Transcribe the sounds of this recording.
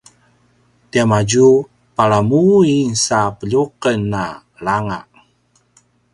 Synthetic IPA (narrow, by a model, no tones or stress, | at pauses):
tiamad͡ʒu | paɭamuinsapəʎuqənːa | laŋa̰ʔ